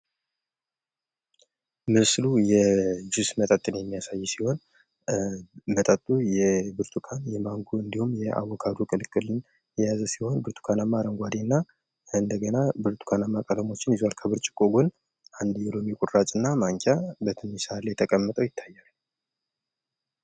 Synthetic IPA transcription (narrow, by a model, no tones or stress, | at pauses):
mɨslujɛd͡ʒɪsmət̪ʼət̪ʼːɨnjɛmːijasajːsiho̞n | mət̪ʼət̪ʼːujɛbɨɾt̪ʰukʰanjɛmaŋɡuɨnd̪ihumːjɛa̰wɔkʰad̪ukʼɨlɨkʼːɨlɨn | jɛjazəsiho̞nbɨɾt̪ʰu̥kʰanamːaɾəŋɡʷad̪inːa | ɨnd̪əɡənabɨɾt̪ʰu̥kʰanamːakʼələmo̞t͡ʃːɪnjɪzwalkʰəβɨɾt͡ʃʼɪ̥kʼoɡun | ʔand̪jɛlomikʼuɾɾat͡ʃʼɨnːamaŋkʰʼabət̪ʰɨmisaalːejt̪ʰəkʼəmːət̪ʼəwjɪt̪ʰːajːalu